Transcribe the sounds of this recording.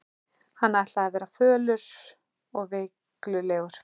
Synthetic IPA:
hanːajht̪laːðavɛːɾafœːlʏɾ̥ | ɔɣve | klʏleːɣʏɾ̥

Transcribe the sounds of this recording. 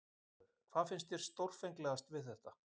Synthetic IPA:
kʰvaːðfɪnst̪jɛɾ̥st̪owɾ̥fejŋklɛɣast̪vɪðθɛht̪a

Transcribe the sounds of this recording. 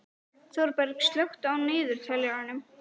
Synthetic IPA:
θɔɾpɛɾkst̪lœwxt̪awnɪːðʏɾ̥t̪ʰɛljaanʏm

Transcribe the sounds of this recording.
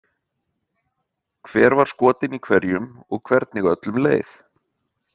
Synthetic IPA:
kʰvɛːɾvaɾ̥skɔːt̪ɪnikʰvɛɾjʏmɔɣkʰv̥ɛɾt̪nɪɣœt̪lʏmleːjθ

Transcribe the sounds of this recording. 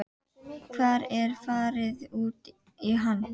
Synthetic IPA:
kʰvaːɾɛɾfɑːɾɪðʉːt̪ | iɦanː

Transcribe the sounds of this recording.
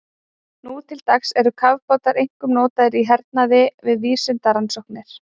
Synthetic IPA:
nut̪ʰɪlt̪aksɛɾʏkʰavkɔt̪aɾejŋ̥kʏmnɔːt̪aðɪɾiɦɛɾt̪̚naðɪvɪðviːsʏnt̪aɾansowhknɪɾ̥

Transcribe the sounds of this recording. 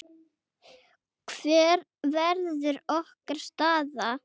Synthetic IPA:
kʰv̥ɛːɾ | vɛɾðʏɾɔhkaɾ̥st̪aːða

